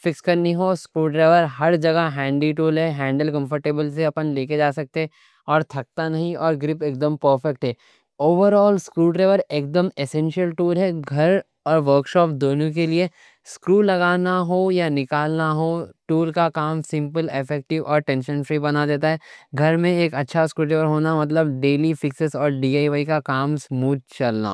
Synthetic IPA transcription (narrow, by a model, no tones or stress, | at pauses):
fɪkskɐɾnĩɦoskɾuːʈɾeːʋəɾɦɐɾd͡ʒɐɡaɦɛ̃ːɳɖiʈuːlɦɛɦɛ̃ːɳɖəlkɐ̃mfəɾʈeːbəlseɐpənleːked͡ʒaːsɐk̚t̪eɛ | ɔːɾt̪ʰɐk̚t̪anɐɦĩɔːɾɡɾɪpeːk̚d̪əmpəːɾfɛk̚ʈɦɛː | oːʋəɾɔːlskɾuːʈɾeːʋəɾeːk̚d̪əmesɛ̃nʃiəlʈuːlɦɛɡʱɐɾ | ɔːɾʋəɾkʃɔːpd̪oːnõk̬elie | skɾuːlɐɡaːnaɦojanɪkaːlnaɦoʈuːlkakaːmsɪ̃mpəlɪfɛk̚ʈɪʋʔɔːɾʈɛ̃nʃə̃nfɾibɐnad̪eːt̪̬aɦɛːɡʱɐɾmẽeːkɐtːʃʰaskɾuːʈɾeːʋəɾɦoːnamɐt̪̬ləbɖeːlifɪksɪsɔːɾɖiːaːiʋaːikakaːmsmuːd͡ʒ̚t͡ʃɐlna̰ː